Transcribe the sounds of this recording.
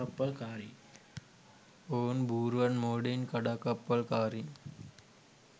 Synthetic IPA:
ɐpːəlkaːɾi | oːnbʱuːɾʋənmoːɽinkəɽakəpːəlkaːɾi

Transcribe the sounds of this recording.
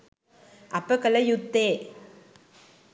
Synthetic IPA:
ʔɐpːɐkɐlɐjut̪ːeː

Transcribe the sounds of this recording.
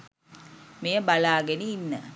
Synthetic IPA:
mejəbalaːɡeniːnːə

